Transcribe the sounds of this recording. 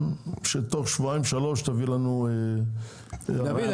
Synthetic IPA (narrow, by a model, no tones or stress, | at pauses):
ʃet̪oχʃvuaij̃vʃalo̞ʃt̪avilanue